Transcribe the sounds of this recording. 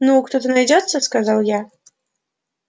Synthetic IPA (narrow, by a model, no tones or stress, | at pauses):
nukt̪ɔt̪ɨnajd͡zʲɔt̪sːɐskazawja